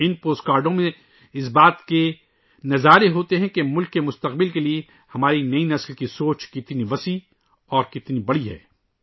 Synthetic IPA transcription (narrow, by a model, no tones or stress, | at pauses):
ɪnpoːskaːɾɖõmẽ | ɪs̬baːt̪ke | nɐzaːɾeɦoːt̪eɦɛ̃kemʊlkːemʊst̪ɐqbɪlkelie | hɐmaːɾinɐinɐslkisoːt͡ʃkɪt̪niʋɐsi | ɔːɾkɪt̪nibɐɽiɦɛ̰ː